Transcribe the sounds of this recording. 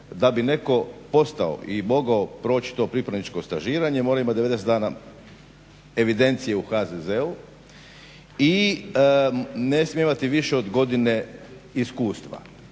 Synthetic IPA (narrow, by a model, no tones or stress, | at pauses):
d̪abine̞ko̞po̞st̪ao̰ʔimo̞ɡaopɾo̞ːt͡ɕi̥t̪o̞ːpɾipɾad̪nit͡ʃko̞st̪aʒiːɾaɲemo̞ːɾaimat̪d̪eed̪eset̪d̪aːna | e̞ʋid̪e̞nt̪sije̞uxazezeu | i | ne̞smijeimat̪iʋiʃeod̪ɡo̞d̪ine̞iskuːst̪ʋa̰